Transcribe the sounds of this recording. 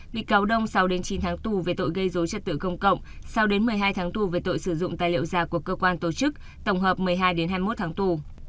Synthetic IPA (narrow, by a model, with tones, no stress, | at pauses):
ɓḭ˧˨kaː˨˦wɗə˧wŋ͡msa˨˦wɗe˨˦nt͡ɕi˨˦nt̪ʰaː˨˦ŋt̪u˨˩ve˨˩t̪o̰˧˨jɣə˧jzo˨˦jt͡ɕə˨˧˩t̚t̪ɨ̰˧˨kə˧wŋ͡mkə̰˧˨wŋ͡msa˨˧wɗe˨˦nmɨ˨˩əjɦaː˧jt̪ʰaː˨˦ŋt̪u˨˩ve˨˩t̪o̰˧˨jsɨ˧˩zʊ̰˧˨ŋ͡mt̪a̰ː˧˨jlḭ˧˨əwzaː˨˩ku˧˩əkːəː˧kwaː˧nt̪o˨˩t͡ɕɨ˦˥k̚ | t̪ə˧˩wŋ͡mɦəː˨˩p̚mɨ˨˩əjɦaː˧jɗe˨˦nɦaː˧jmo˦˥t̚t̪ʰaː˨˦ŋt̪u˨˩